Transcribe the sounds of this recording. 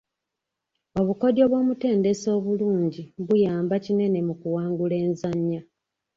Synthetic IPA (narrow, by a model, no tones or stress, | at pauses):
o̞βuko̞djo̞ːβwo̞ːmute̞ːnde̞so̞ːβuluːɲɟiβujaːmbacine̞ne̞mukuwaːŋɡule̞ːnzaɲːa